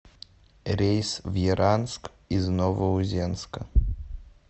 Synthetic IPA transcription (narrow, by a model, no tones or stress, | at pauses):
ɾʲejsvjiɾʔansk | iznɔvəuzʲɛnskɐ